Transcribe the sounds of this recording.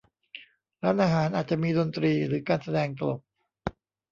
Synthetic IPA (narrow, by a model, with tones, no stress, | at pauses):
ɾaː˦˥nʔaː˧ɦaː˩˦nʔaː˨˩t̪̚t͡ɕa˨ʔmiː˧do˧nt̪ɾiː˧ɾɯː˩˦kaː˧nsa˧dɛː˧ŋt̪a˧lo˨˩p̚